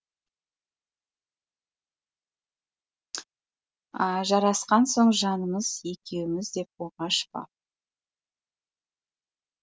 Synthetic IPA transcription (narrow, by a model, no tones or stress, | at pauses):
ɑʒɑɾɑsqɑnso̞ɴʒɑnəməz̥e̞kʲʰe̞wɪmɪzd̪e̞p̚woʁɑʃpɑ̰